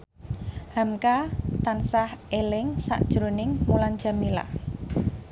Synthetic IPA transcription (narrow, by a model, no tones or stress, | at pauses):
hamkat̪ansahelɪŋsa̰ʔd̥ʒ̥ɾonɪŋmulan̥d͡ʒ̥a̤mila̰